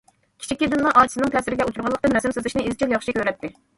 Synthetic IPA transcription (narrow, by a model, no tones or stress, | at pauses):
kʲʰi̥t͡ʃʰikʲːid̪ɪnlˠɑʔɑjt͡ʃʰisɨnɪŋt̪ʰɛsɪɾɪɡʲɛut̪ʰuɾʁɑlˠəqt̪ɨnɛsɪmsøzɪʃnɪizt͡ʃʰilˠjɑχʃikʲøɾɛt̪ʰːɪ